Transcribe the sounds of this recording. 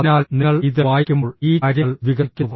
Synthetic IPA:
ɐnaːlneɐɭiðɨʋaːjkʲːumoːɭiːɐɾɐɭʋiɡɐkʲːuðu

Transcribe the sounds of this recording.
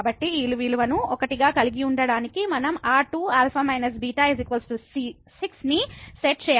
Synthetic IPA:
bɐʈːiiːluʋiluʋɐnuɔkɐʈiɡaːkɐliɡiuɳɖɐɽaːnikimɐnɐmaːʈuːaːlpʰɐmɐjnɐs̬biːʈaːizikʋɐlsʈusiː | siksniseʈ̚t͡ʃɛːj

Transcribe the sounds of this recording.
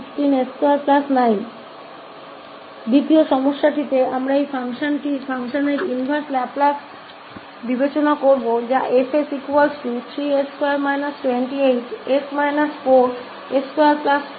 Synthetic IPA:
kʈineskoaɾplasnajn | d̪it̪ioʃɔmoʃːaʈʰit̪eamɾaejfʰaŋʃanʈifʰaŋʃoneɾinibʱaɾslaplas | bibet͡ɕonakoɾbod͡ʑaʔefesikualsut̪ʰɾieskoaɾmajnasʈweɳʈiejʈesmajnaspoʈ | eskoaɾplas

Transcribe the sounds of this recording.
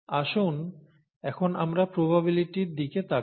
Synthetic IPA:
aʃun | ɛkʰonamɾapɾobaβiliʈiɾd̪iket̪ʰa

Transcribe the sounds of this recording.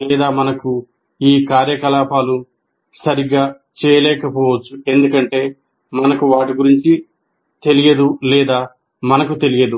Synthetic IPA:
lɛːd̪aːmɐnɐku | iːkaːɾjɐkɐlaːpʰaːlu | sɐɾiɡaː | t͡ʃɛːjɐlɛːkɐpɔːʋɐt͡ʃːue̞nd̪ukɐɳʈe̞ː | mɐnɐkuʋaːʈiɡuɾiɲt͡ʃi | t̪e̞lijɐd̪ulɛːd̪aː | mɐnɐkut̪e̞lijɐd̪u

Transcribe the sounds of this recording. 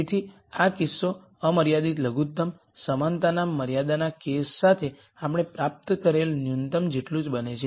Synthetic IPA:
t̪ʰi | akɪsːo | əməɾjad̪it̪ləɡut̪̚ːəm | səmant̪anamːəɾjad̪anakesːat̪ʰe | apɽ̃epɾap̚t̪kəɾelnjunt̪əmd͡ʒeʈlũd͡ʒbənet͡ʃʰe

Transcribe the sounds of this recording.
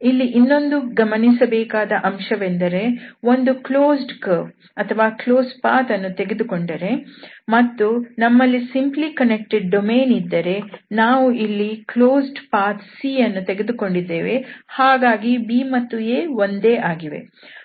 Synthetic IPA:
ilːiʔinːo̞nd̪uɡɐmɐnisɐbɛːkaːd̪ɐʔɐmʂɐʋend̪ɐɾe̞o̞nd̪ukloːsɖkɐ | ɐt̪ʰɐʋaːkloːspaːt̪ɐnːut̪eɡed̪uko̞ɳɖɐɾe̞mɐt̪ːunɐmːɐlːisimplikɐnek̚ʈeɖ̚ːomeːnid̪ːɐɾe̞naːʋuʔilːikloːsɖpaːt̪siːɐnːut̪e̞ɡed̪uko̞ɳɖid̪ːeːʋe̞haːɡaːɡibiːmɐt̪ːueːʋo̞nd̪eːʔaːɡiʋe̞̰

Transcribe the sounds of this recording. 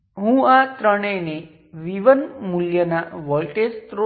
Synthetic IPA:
ɦũat̪ɾəɽ̃ene | ʋiʋənmuljənaʋɔlʈest̪ɾo

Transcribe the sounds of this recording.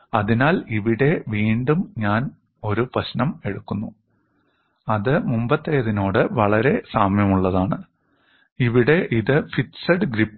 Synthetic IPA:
ɐðinaːliʋiɽe̞ʋiːɳɖumɲaːn | o̞ɾuprɐɕnɐme̞ɽukːunːu | ɐðɨmumbɐt̪ːɐjɐðino̞ːɽɨʋɐɭɐɾe̞saːmjɐmuɭːɐðaːɳɨ̰ | iʋiɽe̞ʔiðɨfitsɐɖɡɾipː

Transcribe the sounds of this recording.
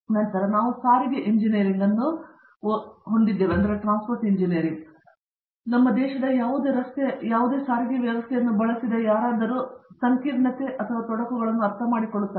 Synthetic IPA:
nɐnt̪ɐɾɐnaːʋusaːɾiɡeʔiɲd͡ʒinijɐɾiŋɡɐnːu | ɦoɳɖid̪ːeːʋeɐnd̪ɐɾeʈɾaːnspoɾʈiɲd͡ʒinijɐɾiŋɡ | nɐmːɐd̪ɛːʃɐd̪ɐjaːʋud̪eːɾɐst̪ejaːʋud̪eːsaːɾiɡeʋjɐʋɐst̪ʰɛjɐnːubɐɭɐsid̪ɐjaːɾaːd̪ɐɾusɐŋkiːɾɳɐt̪e̞ʔɐt̪ʰɐʋaːt̪ɔɽɐkuɡɐɭɐnːuɐɾt̪ʰɐmaːɽikoɭːut̪ːaː

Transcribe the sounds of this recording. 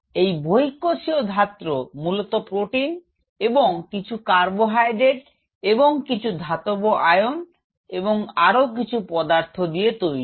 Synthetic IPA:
ejbʱoikːoʃiod̪ʱat̪ːɾomulot̪opɾoʈin | eboŋkit͡ɕʰukaɾboɦajɖeʈ | eboŋkit͡ɕʰud̪ʱat̪oboʔajon | eboŋaɾok̬it͡ɕʰupɔd̪aɾt̪ʰod̪iet̪ojɾi

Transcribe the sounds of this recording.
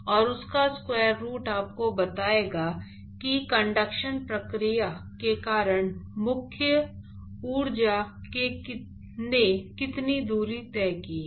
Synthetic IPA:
ɔːɾʊskaskwɛːɾːuːʈaːp̚kobɐt̪aːeːɡaː | kikə̃ɳɖəkʃənpɾəkɾijakekaːɾəɽ̃mʊkʰjə | uːɾd͡ʒakek | nekɪt̪nid̪uːɾit̪ɛːkiː

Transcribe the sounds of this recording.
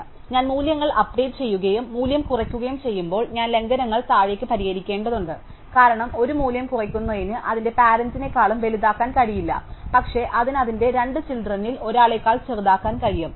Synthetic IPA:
ɲaːnmuːljɐŋːɐɭɐpɖe̞ːʈɨ̥t͡ɕe̞jːuɣɐjumːuːljɐmkurɐkʲːuɣɐjumt͡ɕe̞jːumbo̞ːɭɲaːnle̞ŋɡɐnɐŋːɐɭt̪aːɻekːɨpɐɾiɣɐɾikʲːeːɳɖɐðuɳɖɨ | kaːɾɐɳɐmo̞ɾumuːljɐmkurɐkʲːunːɐðinɨʔɐðinde̞paːɾɐnsine̞kːaːɭumʋe̞liðaːkːaːnkɐɻijilːɐ̰pɐkʂe̞ʔɐðinɐðinde̞ɾe̞ɳɖɨt͡ɕild̪rɐnːilo̞ɾaːɭe̞kːaːɭt͡ɕerd̪aːkːaːnkɐɻijum

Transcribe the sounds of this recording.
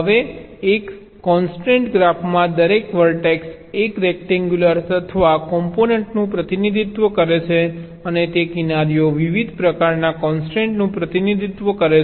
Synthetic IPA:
ɦəʋe | ekː | ɔnsʈẽɳʈɡɾafmãd̪əɾekʋəɾʈeks | ekɾɛk̚ʈɛŋɡjuləɾsət̪ʰəʋakɔmponeɳʈnũpɾət̪inid̪ʱit̪ʋəkəɾet͡ʃʰe | ənet̪ekinaɾijoʋiʋid̪ʱpɾəkaɾnakɔnsʈẽɳʈnũpɾət̪inid̪ʱit̪ʋəkəɾe

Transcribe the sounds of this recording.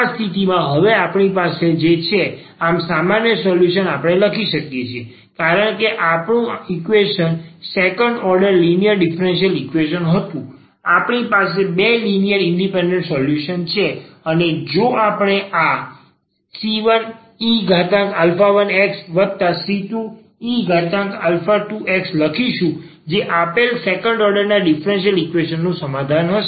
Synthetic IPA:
ast̪ʰit̪imãɦəʋeapɳipased͡ʒet͡ʃʰe | amsamanjəsɔljuʃənapɽ̃eləkʰiʃəkjet͡ʃʰie | kaɾəɳkeʔapɳũikʋeʃənsekəɳɖɔɾɖəɾlinijəɾɖifəɾɛnʃiəlikʋeʃənɦət̪ũ | apɳipas̬ebelinijəɾiɳɖipɛ̃ɳɖẽɳʈsɔljuʃənt͡ʃʰeəned͡ʒoapɳ̃eʔa | siʋən | iɡʱaʈãkalfaʋəneksʋəd̪̚t̪asiʈu | iɡʱaʈ̪ãkalfaʈuʔeksləkʰiʃũ | d͡ʒeʔapelsekə̃ɳɖɔɾɖəɾnaɖifɾẽnʃ̬ijəlikʋeʃənːũsəmad̪ʱanɦəʃe

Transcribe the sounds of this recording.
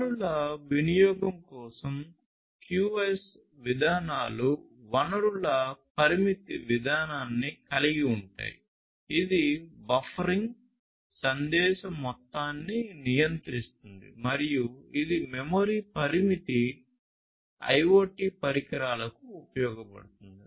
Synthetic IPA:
uɭɐʋinijɔːɡɐmkɔːsɐm | kjuːes | ʋid̪ʱaːnaːlu | ʋɐnɐɾuɭɐpɐɾimit̪iʋid̪ʱaːnaːnːikɐliɡiuɳʈa̰ːjḭ | id̪ibɐfʰɐɾiŋɡ | sɐnd̪ɛːʃɐmɔt̪ːaːnːinijɐnt̪ɾist̪und̪ḭmɐɾijuid̪imɛmoːɾiːpɐɾimit̪i | ɐ̰joːʈiːpɐɾikɐɾaːlɐkuːpɐjɔːɡɐpɐ̰ɽut̪und̪i

